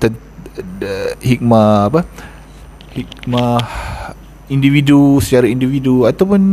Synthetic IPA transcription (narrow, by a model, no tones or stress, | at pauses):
t̪ə | hik̚maapa | hikmah | individusə̥t͡ʃaɾaindividuat̪awpʊn